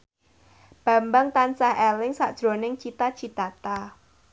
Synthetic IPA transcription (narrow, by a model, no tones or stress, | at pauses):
b̥ä̤mbaŋt̪ansahʔɛlɪŋsad̥ʒ̥ɾo̤nɪŋt͡ʃit̪at͡ʃit̪at̪a